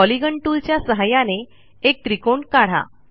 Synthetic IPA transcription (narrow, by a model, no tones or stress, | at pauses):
ɔliɡəɳʈult͡ɕjasəɦajane | ek̚t̪ɾikoɳkaɽ̤a̰